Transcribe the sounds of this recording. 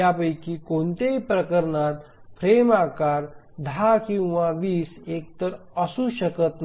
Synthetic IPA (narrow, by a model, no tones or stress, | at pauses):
japəjkikont̪ejpɾəkəɾnat̪pʰɾeːmaːkaːɾ | d̪ʱakĩw̃ʋaʋiːseːk̚t̪əɾəsuʃəkət̪n